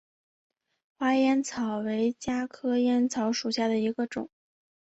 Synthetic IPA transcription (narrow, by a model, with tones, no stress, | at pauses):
xwa˥jɛ˥nt͡sʰɑ˨˩ʊwe˧˥ɪt͡ɕja˥kʰɤ˥jɛ˥nt͡sʰɑ˧˥ʊʂu˨˩ɕja˥˩d̪ə˩i˧˥ɡə˧ʈ͡ʂʊ˨˩˦ŋ